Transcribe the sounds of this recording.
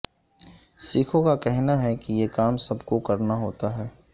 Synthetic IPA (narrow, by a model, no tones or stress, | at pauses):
siːkʰõkakɛɦnaɦɛkijekaːmsɐbkokɐɾnaɦoːt̪aɦɛː